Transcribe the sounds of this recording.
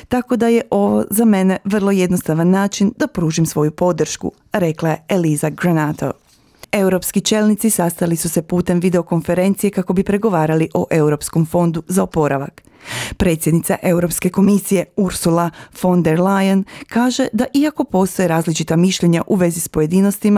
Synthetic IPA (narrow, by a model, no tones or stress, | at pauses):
t̪ako̞d̪aje̞ʔo̞ʋo̞̰zame̞ne̞ʋr̩lˠo̞je̞d̪no̞st̪aʋanːaːt͡ʃind̪̥apɾuːʒimsʋo̞jupo̞d̪r̩ʃkṵ | ɾe̞klaje̞elizaɡɾanat̪ʰo̞̰ | e̞wɾo̞pskit͡ʃe̞ːlnit̪sisast̪alisuse̞puːt̪e̞mʋid̪e̞o̞ko̞nfe̞ɾe̞nt̪sije̞kako̞bipɾe̞ɡo̞ʋaːɾaliʔoʔe̞uɾo̞psko̞mfo̞nd̪uzaopo̞ɾaʋa̰k | pɾe̞t̪sjed̪nit̪saʔe̞wɾo̞pske̞ko̞misije̞uɾsulafo̞nd̪eɾlajankaːʒe̞d̪aʔiako̞po̞st̪o̞jeɾaːzlit͡ʃit̪amiʃʎeɲaʔuʋe̞zispo̞je̞d̪ino̞st̪ima